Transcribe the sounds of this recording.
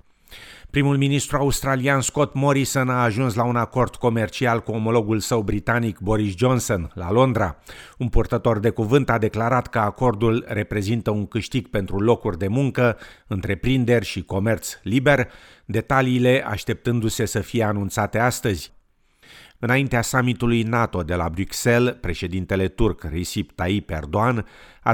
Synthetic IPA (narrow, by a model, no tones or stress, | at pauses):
pɾimulminist̪ɾuaust̪ɾaliansko̞t̪mo̞ɾisonaːʒunslaunako̞rd̪̥ko̞me̞rt͡ʃialkuo̞mo̞lo̞ɡulsəwbɾit̪anikbo̞ɾisd͡ʒo̞nso̞nla̰lo̞nd̪ɾaunpurt̪ət̪o̞rd̪e̞kuvɨnt̪ad̪e̞klaɾat̪kəako̞rd̪ulre̞pɾe̞zint̪əuŋkɨʃt̪iɡ̚pe̞nt̪ɾulo̞kurʲd̪e̞muŋkəɨnt̪ɾe̞pɾind̪e̞rʲʃiko̞me̞rt̪slibe̞r | d̪e̞t̪aliːle̞ʔa̰ʃt̪e̞p̚t̪ɨnd̪use̞səfije̞anunt̪sat̪e̞ast̪əzʲ | ɨnaint̪easamit̪ulujnat̪o̞d̪e̞la̰bɾukse̞lpɾe̞ʃe̞d̪int̪e̞le̞t̪urkrisipt̪aipe̞̰rd̪oan | a̰